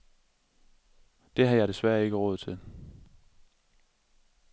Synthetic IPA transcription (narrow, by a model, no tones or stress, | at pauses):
d̥e̝ɦɑ̈jɑ̈ɪdesʋæɐe̝ɡ̥əʁɔ̽ːð̞̩ˠt͡sʰe̝l